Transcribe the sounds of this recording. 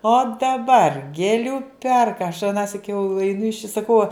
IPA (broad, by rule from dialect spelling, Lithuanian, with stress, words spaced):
oː dɐˈbɐr ɡʲeːˈlʲuː ˈpʲɛrkɐ ɐʃ ɐˈnɑːsʲɪk jɛʊ ɛɪˈnʊ ɪʃ ɪ sɐˈkɐʊ